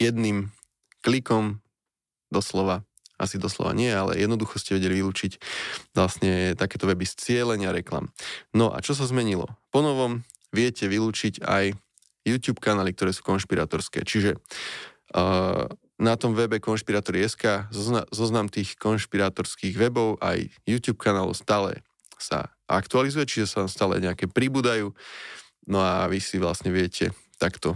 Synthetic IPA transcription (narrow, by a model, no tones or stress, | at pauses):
jɛd̪nim | klikɔm | d̪ɔslɔʋa | ʔasid̪ɔslɔ̰ʋa̰ɲɪɛjɛalɛ̰jɛd̪nɔd̪uxɔscɛʋɛɟɛliʋiluːt͡ʃiclasɲɛt̪akɛːt̪ɔʋɛbist͡sɪɛlɛɲɪaɾɛkla̰mnɔʔa̰t͡ʃɔs̬azmɛɲilɔ̰pɔnɔʋɔm | ʋɪɛcɛʋiluːt͡ʃica̰j | juːt̪juːpkanaːlik̚t̪ɔɾɛːsu̥kɔnʃpiɾa̰ːt̪ɔɾskɛ̰ːt͡ʃiʒɛ | nat̪ɔmʋɛbɛkɔnʃpiɾaːt̪ɔɾiɛskaːzzɔznamt̪iːxkɔnʃpiɾaːt̪ɔɾskiːɣʋɛbɔʊʔa̰jjuːt̪juːp̚kʰanaːlɔ̰ʊst̪aːlɛ̰ | sa̰ | ʔakt̪ualizujɛt͡ʃiʒɛsaamst̪aːlɛ̰ɲɛakɛːpɾibuːd̪ajuː | nɔaʋisiʋlasɲɛʋɪɛcʰɛ̰ | t̪akt̪ɔ